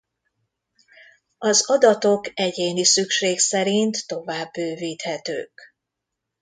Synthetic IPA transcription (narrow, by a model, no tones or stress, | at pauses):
ɒzɒd̪ɒt̪o̞kɛɟeːnisykʃeːksɛɾint̪ːo̞vaːbːøːviːt̪hɛt̪ø̰ːk